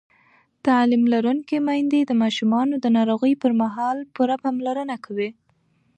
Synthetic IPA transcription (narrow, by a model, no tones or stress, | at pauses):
t̪alimlaɾuŋkemɑjnd̪ed̪əmɑʃumɑnod̪ənɑɾoɣəjpəɾmaɦɑlpuɾapɑmlaɾənakʰawi